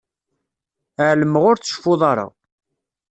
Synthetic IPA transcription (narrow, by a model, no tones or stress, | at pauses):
əʕləmːəʁʊɾt͡sːə̥ʃfʊðˤɑɾˤɑ̰